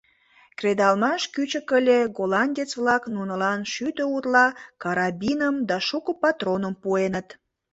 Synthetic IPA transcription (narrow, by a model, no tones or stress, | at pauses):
kred̪ɑlmɑʃkyt͡ɕəkəlʲeɡolɑnʲd̪ʲet͡sβlɑknunəlɑnʃyt̪əut̪lɑkɑɾɑbinəmd̪ɑʃukəpɑt̪ronəmpuenət̪